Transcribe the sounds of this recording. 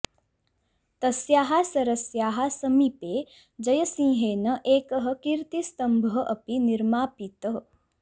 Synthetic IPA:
t̪ɐsjaːɦasɐɾɐsjaːɦasɐmipeː | d͡ʒɐjɐsĩːɦeːnɐʔeːkɐɦɐ̆kiɾt̪ist̪ɐmbʱəɦɐʔɐpiniɾmaːpit̪əɦ

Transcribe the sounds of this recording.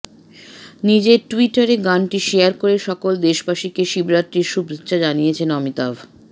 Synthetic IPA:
nid͡ʑeɾʈuiʈaɾeɡanʈiʃejaɾkoɾeʃɔkold̪eʃbaʃikeʃibɾat̪ːɾiɾʃubɾetːɕad͡ʑanijet͡ɕʰenɔmit̪abʱ

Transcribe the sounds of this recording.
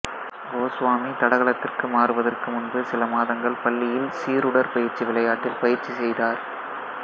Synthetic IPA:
ɡoːsʋaːmit̪ɐɽɐɣɐɭɐt̪ːɪrkɯmaːɾɯʋɐðɐrkɯmʊnbɯsɪlɐmaːðɐŋɡɐɭpɐɭːɪjɪlsiːɾʊɽɐɾpɐjɪɾt͡ʃiʋɪɭɐjaːʈːɪlpɐjɪɾt͡ʃisɛjðaːɾ

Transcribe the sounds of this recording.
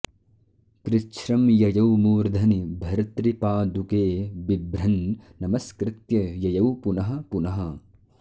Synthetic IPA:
kɾɪt͡ʃɾɐmjɐjɐwmuːɾd̪ʱɐnibʱɐɾt̪ɾipaːd̪ukeːbibɾɐnnɐmɐskɾɪt̪jɐjɐjɐwpunɐɦɐ̆punɐɦɐ

